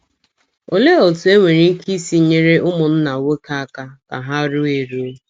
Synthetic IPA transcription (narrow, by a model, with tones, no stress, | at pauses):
o˨le˦o˨tʊ˨˦e˦ŋʷe˨ɾi˨ŋ̩˦ki˦si˦˨ɲe˦ɾe˦ʔʊ˦mʊ˨n̩˦na˨wo˦ka˦a˦ka˦ka̰˨ɦa˦ɾʊ˦e˨ɾu˦